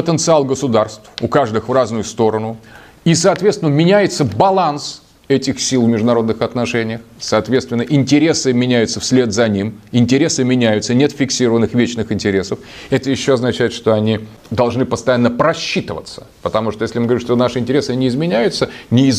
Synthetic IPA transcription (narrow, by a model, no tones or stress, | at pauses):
pət̪ənt̪sɨalˠɡəsʊd̪arst̪fʊkaʐd̪ɨxvraznʊjʊst̪o̞ɾənʊ | isɐːt̪vʲet̪st̪vʲɪnːəmʲɪnʲæjɪt̪səbɐlˠans | ɛtʲɪxsʲilˠvmʲɪʐd̪ʊnɐɾo̞d̪nɨxɐt̪nɐʂɛnʲɪjəxsɐaːt̪vʲet̪st̪vʲɪnːəʔɪnʲtʲɪɾʲe̞sɨmʲɪnʲæjʊt̪səfsʲlʲe̞t̪zɐnʲimɪnʲtʲɪɾʲe̞sɨmʲɪnʲæjʊt̪sənʲe̞t̪fʲɪksʲiɾəvənːɨxvʲet͡ɕnɨxɪnʲtʲɪɾʲe̞səfɛt̪əjɪɕːoɐznɐt͡ɕæjɪt̪ʂt̪o̞ɐnʲi | d̪ɐlˠʐnɨpəst̪ɐjanːəpɾɐɕːit̪əvə̰t̪sə̥pət̪ɐmuʂt̪ojeslʲɪmɨɡvɾʲimʂt̪onaʂɨɪnʲtʲɪɾʲesɨnʲɪɪzmʲɪnʲæjʊt̪sənʲɪ